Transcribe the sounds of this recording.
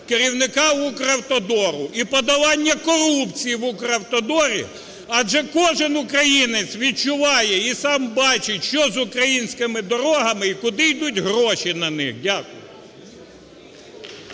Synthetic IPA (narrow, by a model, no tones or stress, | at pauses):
keɾʲiwnɪkɑukɾɐwt̪ɔd̪ɔɾʊipɔd̪ɐʋɑnʲːɐkɔrupt͡sʲijiʋʊkɾɐwt̪ɔd̪ɔɾʲḭ | ɐʒɛkɔʒɪnʊkɾɐjinɪt͡sʲʋʲid̚t͡ʃʊʋɑjɛisɑmbɑt͡ʃɪtʲʃt͡ʃɔzʊkɾɐjinʲsʲkɪmɪd̪ɔɾɔɦɐmɪikʊd̪ɪjd̪utʲɦɾɔʃinɐnɪxdʲakʊjʊ